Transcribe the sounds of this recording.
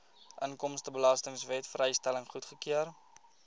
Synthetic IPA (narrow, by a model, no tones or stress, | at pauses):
ʔəŋkɔmstəbəlɑstəŋsvɛtfrɛjstæləŋχutχəkiər